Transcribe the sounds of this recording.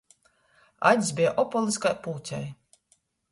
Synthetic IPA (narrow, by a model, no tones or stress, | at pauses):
a̰d̪ʲsʲbʲijaʔɔpɔlˠiskajpuːt̪ʲa̰j